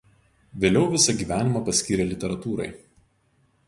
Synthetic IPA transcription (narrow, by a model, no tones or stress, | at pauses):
ʋʲeːlʲɛʊʋʲɪsɐɡʲiːʋʲæːnʲɪmɑˑpɐsʲkʲiːɾʲelʲɪt̪ʲɛɾɐt̪uːɾɐ̰ɪ